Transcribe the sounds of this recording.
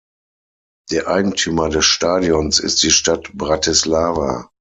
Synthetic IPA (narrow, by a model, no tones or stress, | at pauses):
d̥eːɐʔaɪɡŋ̩tʰyːmɐdɛsʃtaːdiɔnsɪ̰st̚d̥iːʃtatbʁatʰislaːva̰